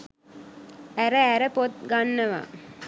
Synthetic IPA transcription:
æɾəæɾəpot̪̚ɡanːɐʋa̰ː

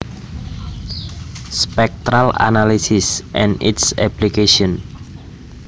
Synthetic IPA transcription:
spɛk̚t̪ɾala̰nalisisʔɛ̃nḭtsɛplikeʃɔ̃n

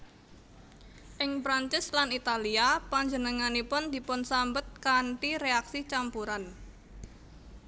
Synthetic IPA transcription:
ʔɪŋpɾaɲt͡ʃɪslanit̪aliapaɲd͡ʒənəŋanipʊnd̪̥i̤pʊnsambət̪̚kaɳʈiɾeaksit͡ʃampuɾan

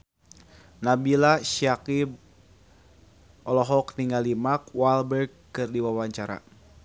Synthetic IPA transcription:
nabilaʃiakib | ɔlɔɦɔkniŋɡalimakwalbɛrɡ̚ | kɨrdiwawaɲt͡ʃaɾa̰

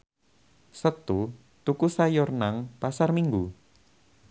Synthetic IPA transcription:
sət̪u | t̪ukusajɔrnaŋpasarmiŋɡu

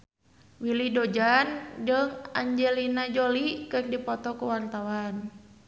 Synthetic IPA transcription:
wilidɔd͡ʒand͡ʒɨŋaɲd͡ʒɛlinad͡ʒolikɨrdipɔt̪ɔkuwart̪awan

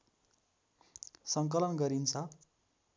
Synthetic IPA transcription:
sʌŋkʌlʌnɡʌɾint͡sʰʌ

